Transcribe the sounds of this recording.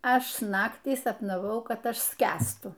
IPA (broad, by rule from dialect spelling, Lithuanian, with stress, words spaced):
ˈɐʃ ˈnɑːktʲiː sɐpnɐˈʋɐʊ ˈkɐt ˈɐʃ ˈsʲkʲæːstʊ